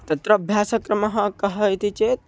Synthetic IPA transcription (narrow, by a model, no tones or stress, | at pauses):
t̪ət̪ɾəːbʱjasəkɾəməɦə̃kəɦəjt̪ʰit͡ʃet̪̚